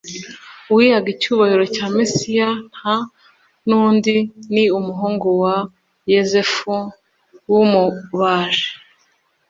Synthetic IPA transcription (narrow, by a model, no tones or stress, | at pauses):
uwihaɡicuːβahiɾo̞caːmisijan̥ha | nuːndiniumuɦuːŋɡowa | jezefu | wumuβaːʒe̥